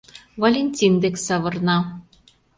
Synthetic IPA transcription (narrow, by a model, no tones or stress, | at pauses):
vɐlʲenʲt̪ʲind̪eksɑβɤ̆rnɑ